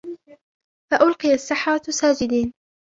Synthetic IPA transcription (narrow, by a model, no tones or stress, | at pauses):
faʔʊlqijasːɪħaɾsaːd͡ʒɪd̪iːn